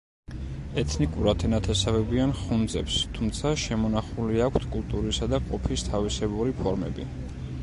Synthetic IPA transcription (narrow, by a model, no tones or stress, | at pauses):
ɛt̪ʰnikʼuɾat̪ʰɛnat̪ʰɛsavɛbianχund̪zɛ̰pst̪ʰumt̪sʰaʃɛmɔnaχuliakʷʰt̪ʰkʼulˠt̪ʼuɾisad̪aqʼɔpʰist̪ʰavisɛbuɾipʰɔɾmɛ̰bḭ